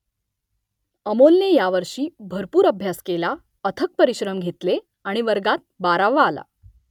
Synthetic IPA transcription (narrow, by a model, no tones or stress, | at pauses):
əmolnejaʋəɾʂiːbʱəɾpuːɾəbʱjaskela | ət̪ʰək̚pəɾiɕɾəmɡʱet̪le | aɽ̃iʋəɾɡat̪̚baɾaʋaːla̰